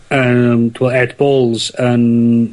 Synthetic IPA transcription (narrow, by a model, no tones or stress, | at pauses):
əmdʰwəlˠɛdbɔːlˠz̥ən